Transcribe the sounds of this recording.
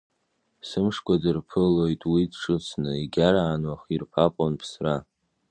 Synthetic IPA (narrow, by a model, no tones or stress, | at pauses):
sɨmʂkʷʰʼadɨrpʰɨlojtʼwidʂɨt͡sʰnɨiɡʲaɾaːnwaχirpʰapʼonpʰsra